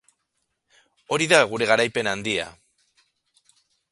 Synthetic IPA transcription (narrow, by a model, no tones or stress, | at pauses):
o̞ɾiðaɣuɾe̞ɣaɾajpe̞nand̪ia̰